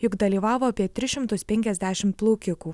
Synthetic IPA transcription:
jʊɡd̪ɐlʲiːʋɑːʋoːɐpʲiɛt̪ʲɾʲɪʃʲɪmt̪ʊspʲɛŋʲkʲɛzʲd̪ʲæːʃʲɪmt̪̚plˠuːkʲɪkuː

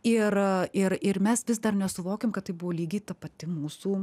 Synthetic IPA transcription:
ɪrɪrɪrmʲɛsʋʲɪsd̪ɐrnʲɛsʊʋoːkʲemkɐt̪̚tɐɪbʊʋoːlʲiːɡʲiːt̪ɐpɐt̪ʲɪmuːsuː

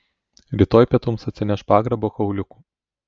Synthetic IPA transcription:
ɾʲiːt̪oːjpʲiɛt̪ʊmsɐt̪ʲsʲɪnʲɛʃpɑːɡɾɐboːkɐʊlʲʊku̥ː

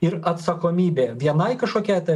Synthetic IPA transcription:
ɪɾɐt̪sɐkoːmʲiːbʲeːʋʲiɛnɐɪkɐʃkoːkʲɛt̪ɐɪ

